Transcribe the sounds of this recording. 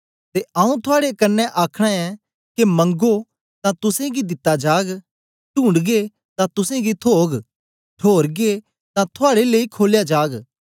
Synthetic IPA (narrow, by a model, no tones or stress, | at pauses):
t̪eãːũt̪ʰʊaːɽekɐnːɛʔaːkʰɽ̃aɛ̃ | kemɐ̃ŋɡo | t̪ãt̪ʊsẽɡid̪ɪt̪ːad͡ʒaːɡ | ʈũːɳɖɡe | t̪ãt̪ʊsẽɡit̪ʰoːɡ | ʈʰoːɾɡe | t̪ãt̪ʰʊaːɽeleːikʰoːljad͡ʒaːɡ